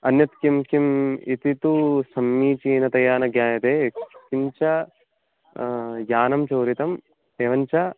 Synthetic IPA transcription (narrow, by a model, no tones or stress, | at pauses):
ɐnjɐt̪kimkimit̪it̪usɐmːiːt͡ʃiːnɐt̪ɐjaːnɐɡjaːnɐt̪eːkimt͡ʃɐ | jaːnɐmt͡ʃɐːɾit̪ɐm | eːʋɐɲt͡ʃɐ